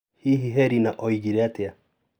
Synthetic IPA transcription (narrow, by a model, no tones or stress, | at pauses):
hiɦiɦɛɾinaʔoiɡiɾeatea